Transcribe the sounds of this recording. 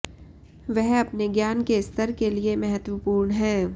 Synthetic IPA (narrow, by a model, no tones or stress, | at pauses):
ʋɛɦɐpneɡjaːnkeɪst̪əɾkeliemɛɦət̪wəpuːɾɳɦɛ̃ː